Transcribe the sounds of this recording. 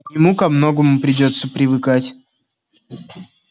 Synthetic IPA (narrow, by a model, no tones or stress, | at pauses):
jɪmukɐmno̞ɡəmʊpɾʲɪdʲo̞t̪səpɾʲɪvɨkatʲ